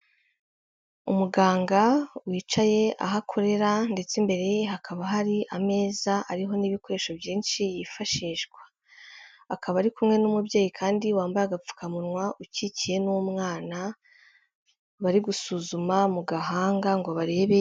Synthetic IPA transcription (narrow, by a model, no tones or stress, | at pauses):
umuɡaːŋɡawiːt͡ʃaje̞ʔa̰ɦakʰo̞ɾe̞ɾande̞t͡sembe̞ɾe̞jeɦakʰaβaɦaɾiʔame̞ːzaʔaɾiɦo̞niːβiko̞ɾe̞ːʃo̞bjiːnʃijifaʃiːʃɡwḁː | kʰaβaɾikumŋe̞numubɟe̞ːjikʰaːndiwaːmbaɾaɡap͡fu̥kamuɾŋwaʔucicije̞numŋaːna | βaɾiɡusuːzumamuɡaɦaːŋɡaŋɡo̞βaɾe̞βe̞